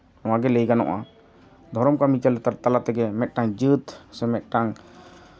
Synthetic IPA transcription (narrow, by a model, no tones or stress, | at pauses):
nɔãɡɛlɛjɡanɔ̰ʔa̰ | d̪ʱɔɾɔmkamit͡ʃalɛt̪aɾt̪alat̪ɛɡɛmɛʔ̪̚ʈaŋd͡ʒɨt̪sɛmɛt̪̚ʈaŋ